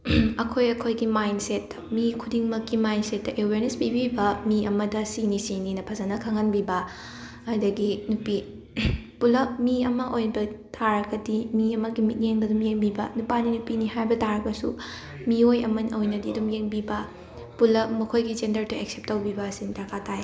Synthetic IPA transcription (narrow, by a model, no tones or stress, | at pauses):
ɐkʰojɐkʰojɡimajnset | mikʰudiŋmɐkːimajnset̚ːɐʔeweɾnesbibibɐmiɐmɐdɐsinisininɐpʰɐzɐnɐkʰaŋanbibɐ | ɐjdɐɡinupi | pulɐp̚miɐmɐʔojbɐtʰaɾɐkɐdimiɐmɐɡimit̚jeŋbɐdumjeŋbibɐnupaninupiniɦajbɐtʰaɾɐk̚pɐsu | miojɐmɐnɐwjnɐdiɐdumjeŋbibɐ | pulɐpmɐkʰojɡid͡ʒendɐɾtuek̚sep̚tːɐwbibɐːsiŋtakʰatʰaj